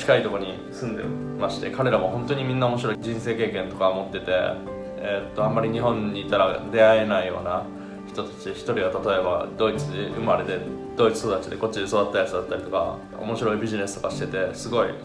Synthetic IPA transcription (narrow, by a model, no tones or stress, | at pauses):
t͡ɕi̥kait̪o̞ko̞ɲ̟i | sɨ̃nd̪e̞̰ | maɕi̥t̪e̞̰kaɾe̞ɾamo̞ɦõ̞nt̪oɲ̟imʲĩnːao̞moɕiɾo̞id͡ʑĩse̞ːke̞ːkẽ̞nt̪o̞kamo̞t̪ːe̞t̪e̞̰ | et̪ːo̞amːaɾʲiɲ̟iɦõ̞ɲ̟ːiːt̪aɾad̪e̞ae̞naijo̞ːna | çi̥t̪o̞t̪ḁt͡ɕiçi̥t̪o̞ɾʲiɡat̪at̪o̞e̞ba̰d̪o̞it͡sɨd̪eɯ̟maɾe̞d̪e̞d̪̥o̞it͡sɨ̥so̞d̪at͡ɕid̪e̞ko̞t͡ɕːid̪e̞so̞d̪at̪ːajat͡sɨd̪at̪ːaɾʲit̪o̞ka̰ | o̞̰mo̞ɕiɾo̞ibʲiʑine̞sɨ̥t̪o̞kaɕi̥t̪e̞t̪e̞sɨɡo̞ḭ